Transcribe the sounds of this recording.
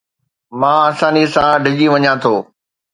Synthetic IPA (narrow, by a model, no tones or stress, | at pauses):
mãːɐsãːnisãɖʱɪd͡ʑiʋɐɲãt̪ʰoː